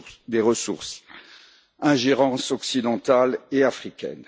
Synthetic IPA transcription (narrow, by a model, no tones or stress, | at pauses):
d̪eʁəsuʁs | ɛ̃ʒeʁɑ̃sɔksid̪ɑ̃t̪aleafχikʲɛ̰n